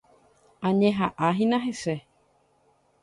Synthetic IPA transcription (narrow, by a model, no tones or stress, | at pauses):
aɲẽɦaʔaɦĩnãɦesɛ